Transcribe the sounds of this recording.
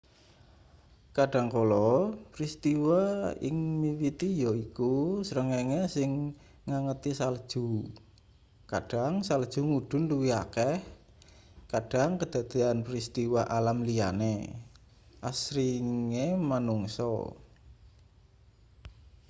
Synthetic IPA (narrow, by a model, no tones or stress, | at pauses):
kaɖ̥a̤ŋkolɔpɾist̪iwaɪ̰ŋmiwit̪ijoikusəɾəŋɛŋesɪŋː | aŋət̪isald̥ʒ̥ṳ | ka̰ɖ̥a̤ŋsald̥ʒ̥ṳŋuɖ̥ʊ̤nluwia̰kɛh | kaɖ̥a̤ŋkəd̪̥a̤d̪̥e̤anpɾist̪iwaʔalamlijanḛ | ʔasɾiŋemanuŋsɔ̰